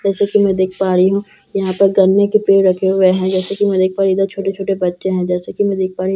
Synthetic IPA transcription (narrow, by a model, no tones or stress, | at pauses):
d͡ʒɛːsekimɛ̃d̪eːkʰpaːɾiɦũː | jɐɦãpɐɾɡɐɾnekipeːɾɾɐkʰeɦʊeɦɛ̃d͡ʒɛːsekimɛ̃d̪eːk̚ʰpaːɾid̪əɾt͡ʃʰoːʈet͡ʃʰoːʈebɐtːʃeɦɛ̃d͡ʒɛːsekimɛ̃d̪eːk̚paːɾi